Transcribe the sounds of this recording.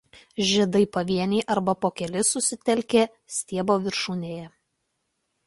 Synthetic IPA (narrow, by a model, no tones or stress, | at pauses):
ʒʲiɛd̪ɐɪpɐʋʲiɛnʲɛɪʔɐɾbɐpoːkʲɛlʲɪsʊsʲɪt̪ʲɛlʲkʲeː | sʲt̪ʲiɛboːʋʲɪɾʃuːnʲeːjɛ